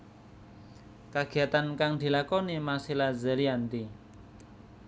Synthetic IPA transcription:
kaɡ̥i̤at̪ankaŋd̪̥i̤lakɔnimasilazə̤ɾiant̪i

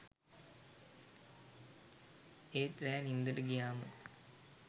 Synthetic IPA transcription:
eːʈɾɛːnind̪əʈəɡijaːmə̰

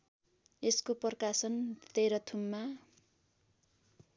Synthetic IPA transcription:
eskopʌrkasʌnt̪eɾʌt̪ʰumːa

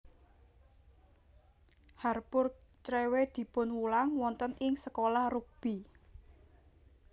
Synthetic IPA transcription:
harpʊrt͡ʃɾewed̪̥i̤pʊnwulaŋwɔnt̪ənɪŋsəkolahruk̚b̥i̤

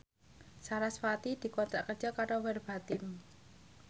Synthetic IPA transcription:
saɾasfat̪id̪̥i̤kɔnt̪ɾaʔkər̥ʒ̥ɔ̤kaɾowɛrb̥a̤t̪ɪm

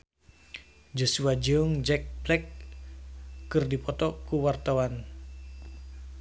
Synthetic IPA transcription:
d͡ʒosuad͡ʒɔŋd͡ʒɛk̚blɛk | ɨrdipɔt̪ɔkuwart̪awan

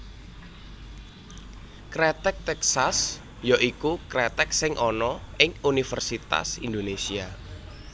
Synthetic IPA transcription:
kɾɛt̪ɛk̚t̪ɛksas | jaʔikukɾɛt̪ɛk̚sɪŋʔɔnɔʔɪŋunifərsit̪a̰sind̪onesia

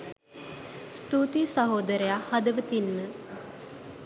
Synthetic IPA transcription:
st̪uːt̪isɐɦoːd̪əɾəjahɐd̪əʋət̪inːə

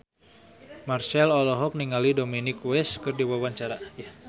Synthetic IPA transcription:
marsɛlɔlɔɦɔk̚niŋalidominɪkwɛskɨrdiwawaɲt͡ʃaɾa

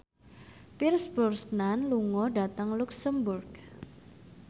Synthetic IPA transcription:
pirsbɔrsnanluŋɔɖa̤t̪əŋluksəmburɡ

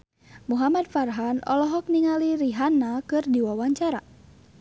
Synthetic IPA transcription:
muɦamad̪farɦanɔ̰lɔɦɔk̚niŋaliɾiɦanakɨrdiwawaɲt͡ʃaɾa̰

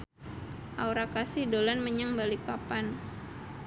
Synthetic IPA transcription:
ʔauɾakasidolanməɲaŋbalipapan

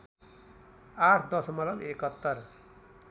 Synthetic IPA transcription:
aʈʰd̪ʌsʌmʌlʌbekʌt̪ːʌr

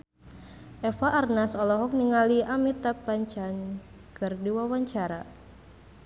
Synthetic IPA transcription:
ʔɛfaʔːrnasɔlɔɦɔk̚niŋaliʔamit̪apaɲt͡ʃan | kɨrdiwawaɲt͡ʃaɾa̰

